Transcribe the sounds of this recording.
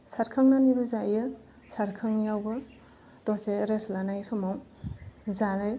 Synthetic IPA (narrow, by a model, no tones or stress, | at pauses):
saɾkʰaŋnanibɐzajja | saɾkʰaŋjawbɐ | dɔseɾesʰlanajtʰɔmaw | zalaj